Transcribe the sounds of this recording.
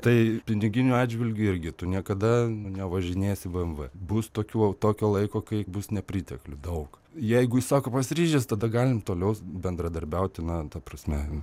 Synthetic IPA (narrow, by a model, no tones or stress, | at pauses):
t̪ɐɪpʲɪnʲɪɡʲɪnʲʊɑːdʲd͡ʒʲʋʲɪlʲɡʲʊɪɾʲɡʲɪt̪ʊnʲiɛkɐd̪ɐnʲɛʋɐʒʲɪnʲeːsʲɪʋɨɛmʋɨbʊst̪oːkʲuːt̪oːkʲoːlˠɐɪkoːkɐɪbʊsnʲɛpʲɾʲiːt̪ʲɛklʲʊd̪ɐʊk | jɛɪɡʊɪsɑːkoːpɐsʲɾʲiːʒʲɛst̪ɐd̪ɐɡɑːlʲɪmt̪oːlʲɛʊbʲɛnd̪ɾɐd̪ɐɾʲbʲɛʊt̪ʲɪnɐt̪ɐprɐsʲmʲɛ